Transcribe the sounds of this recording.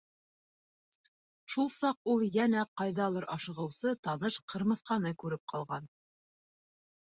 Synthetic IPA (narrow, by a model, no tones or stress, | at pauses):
ʃulˠsɑqulˠjænæqɑjðɑlˠɤɾʔɑʃɤ̆ʁɤ̆wsɤt̪ɑnɤʃqʰɤ̆ɾmɤ̆θqɑnɤkʉɾɘp̚qʰɑlˠʁɑn